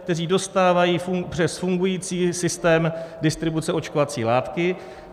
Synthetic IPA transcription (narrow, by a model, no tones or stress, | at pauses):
k̚t̪ɛriːdo̞st̪aːvajiːfupr̝̥ɛsfuŋɡujiːt͡siːsɪst̪ɛːmdɪst̪ɾɪbut͡sɛo̞t͡ʃkovat͡sḭːlaːt̪kɪ